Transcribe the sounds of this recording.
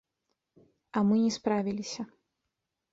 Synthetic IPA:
ɐmɨnʲɛspɾavʲilʲisʲɐ

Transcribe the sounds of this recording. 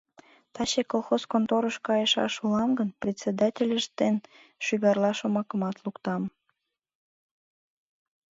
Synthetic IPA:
t̪ɑɕekolˠxoskont̪oɾəʃkɑjəʃɑ̰ʃulɑmɡənprʲet̪st͡sed̪ɑtʲelʲəʃd̪en | ʃyɣɑrlɑʃomɑkəmɑt̪lukt̪ɑm

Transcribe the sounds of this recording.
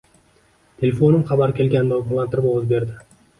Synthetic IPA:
t̪ʰe̞lʲefo̞nɪmχɑbaɾkʲe̞lɡʲand̪ɒlˠant̪ɪɾɪbaozbe̞ɾd̪ɪ

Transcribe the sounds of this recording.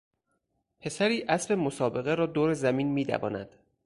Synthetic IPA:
pʰe̞sæɾiːʔæsɾe̞mosɒːbe̞ɣe̞ɾɒːd̪oːɾezæmiːnmiːd̪æ̰vɒ̰ːnæ̰d̪̥

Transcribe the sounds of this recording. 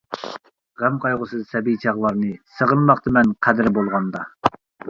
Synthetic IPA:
ʁæmqʰɑjʁʊsɨzsɛbijt͡ʃʰɑʁlˠɑɾnɨsəʁənmɑqt̪ʰɨmɛnqʰæd̪ɪɾbolˠʁɑnd̪ɑ

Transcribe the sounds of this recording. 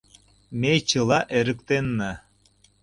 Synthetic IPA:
met͡ɕəlɑʔeɾə̆kt̪enːə

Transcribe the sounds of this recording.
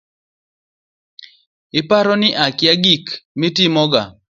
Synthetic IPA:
ɪpaɾɔnɪʔakɪaɡikmitimɔɡa̰

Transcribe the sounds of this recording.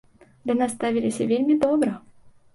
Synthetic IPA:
d̪ɨnast̪avʲilʲɪsʲəvʲelʲmʲid̪ɔbɾə

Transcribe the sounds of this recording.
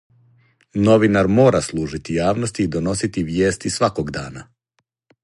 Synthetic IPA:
no̞ʋinaɾmo̞ːɾaslˠuːʒit̪ijaːʋno̞st̪iːd̪o̞no̞sit̪iʋje̞ːst̪isʋakoɡd̪aːna̰

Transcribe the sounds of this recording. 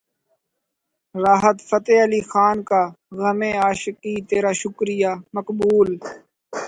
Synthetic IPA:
ɾaːɦət̪fət̪eːəliːxaːnkaː | ɣəmẽːaːʃkiːt̪eːɾaːʃʊkɾɪjaːməkbuːl

